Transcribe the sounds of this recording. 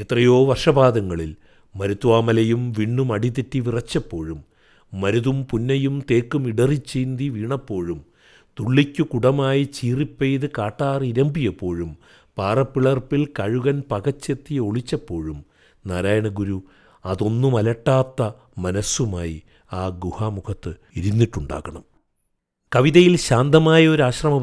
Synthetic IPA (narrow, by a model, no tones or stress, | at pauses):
et̪rɐjo̞ːʋɐrʂɐbaːd̪ɐŋːɐɭil | mɐɾut̪ʋaːmɐlɐjumʋiɳːumɐɽit̪itːiʋirɐt͡ɕːɐpːo̞ːɻumː | ɐɾuðumpunːɐjumt̪e̞ːkːumiɽɐrit͡ɕːiːnd̪iʋiːɳɐpːo̞ːɻum | t̪uɭːikʲːukuɽɐmaːjit͡ɕiːripːejðɨkaːʈːaːriɾɐmbijɐpːo̞ːɻum | paːrɐpːiɭɐrpilkɐɻuɣɐnpɐɣɐt͡ɕːe̞t̪ːio̞ɭit͡ɕːɐpːo̞ːɻum | naːɾaːjɐɳɐɡuɾu | ɐðo̞nːumɐlɐʈːaːt̪ːɐ | mɐnɐsumaːjḭ | aːɡuhaːmukʰɐt̪ːɨ | iɾunːiʈːuɳɖa̰ːɣɐɳɐm | kɐʋiðɐjilɕaːnd̪ɐmaːjɐo̞ɾaːɕrɐmɐ